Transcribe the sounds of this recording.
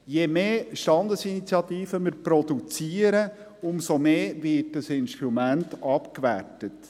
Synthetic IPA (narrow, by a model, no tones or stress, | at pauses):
jemeːʃtɑndəsinit͡sjɑt̪iːfəmɪɾpɾɔdut͡siəɾə | ʊmsomeːvɪt̚dəsɪnʃtɾumæntɑpkʋæ̰rtət